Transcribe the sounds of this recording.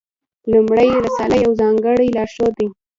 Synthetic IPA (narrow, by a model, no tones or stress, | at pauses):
lʊmɽajɾasalajawzɑŋɡəɽajlɑʃod̪ij